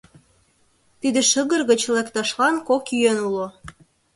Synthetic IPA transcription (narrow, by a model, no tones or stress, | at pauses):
t̪id̪eʃəɣə̆rɣət͡ɕlekt̪ɑʃlɑnkokyjønulo